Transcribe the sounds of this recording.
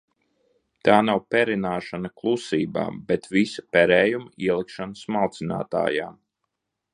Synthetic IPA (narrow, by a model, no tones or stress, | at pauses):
t̪aːnawpɛɾinaːʃanɐklˠusiːba̰ːbet̪visɐ̥pɛɾɛːjumiɛlˠikʃanəsmalˠt̪sina̰ːt̪a̰ːja̰ːm